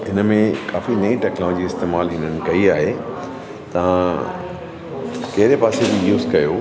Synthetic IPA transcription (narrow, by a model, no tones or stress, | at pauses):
ɦɪnəmẽkaːfinɐĩʈɛːknɔːɔd͡ʑiɪst̪eːmaːlɦɪnənɪ̆kɐiaːɦe | t̪ɐʋ̤ã | kɐɦɪɾepaːsed͡ʑijuːzkɐjoː